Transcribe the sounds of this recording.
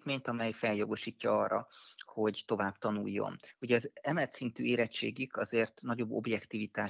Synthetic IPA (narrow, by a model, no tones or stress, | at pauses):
t̪meːɲt̪ɒmɛjfɛljo̞ɡo̞ʃiːcːɒɒːrːɒ̰ho̞ɟt̪o̞vaːbt̪ɒnṵjːo̞̰nuɟɛːzɛmɛlt̪sint̪y̰ːeːɾɛt͡ʃːḛːɡikɒzeːrt̪nɒɟo̞bːo̞̰bjɛkt̪ivit̪aː